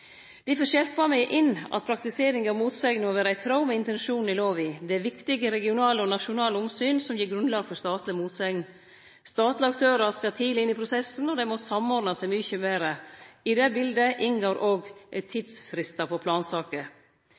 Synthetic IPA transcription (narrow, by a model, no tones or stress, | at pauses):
d̪̥ɪfɔɕɛɾpɑmɛɪʔɪnʔɑ̰t̪̚pʰɾɑkt̪ɪseːɾɪŋɑɾmuːt̪sɛɪɡnəmoːʋæːɾəæɪt̪ʰɾɑʊmɛɪnt̪ɛnʃuːn̩ɪloːʋɪd̪ɛæɾʋɪkt̪ɪɡəɾɛɡɪʊnɑːləɔnɑʃʊnɑːləʊmsyːnsɔmjiːɾɡɾʉnlɑːɡfɔɾst̪ɑːt̪lɪmuːt̪sɛn | st̪ɑːt̪ləɑkt̪ʰøːɾɑskɑt̪ʰiːd̪ɪnːɪpʰɾʊsɛsn̩ɔd̪ɛmɔsɑmɔɾd̪nɑsɛɪmyçəmeːɾəɪd̪ɛbɪld̪əʔɪnɡoːɾʔoːɡt̪ʰiːd̪sfɾɪst̪ɑpʰɔpʰlɑːnsɑːkə